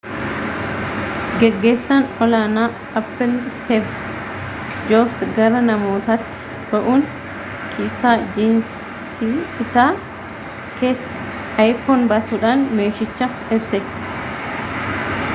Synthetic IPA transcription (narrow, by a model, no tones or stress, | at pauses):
ɡɛɡːe̞ːsːɐnɔlaːnaː | ɐpːɛlst̪eːv | d͡ʒobsɡɐɾɐnɐmo̞ːt̪ɐt̪ːɪ̥ | b̥ɐʔuːn | kʰiːsaːd͡ʒeːns | iɪsaː | ke̞ːs | ɐjfonbɐsuːᶑaːnmeːʃɪt͡ʃːɐ | ɪbsɛ